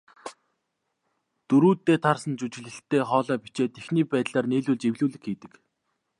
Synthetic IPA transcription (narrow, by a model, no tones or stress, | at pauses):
t̪ɵɾuːt̪ːeːt̪ʰarsə̆nt͡ɕut͡ɕɪ̆ɮɘ̆ɬt̪ːeːχɔːɮɔːpi̥t͡ɕeːt̪exniːpæːt̪ɮaːrneːɮuɮt͡ɕewɮuːɮɘ̆kxiːt̪ɘ̆k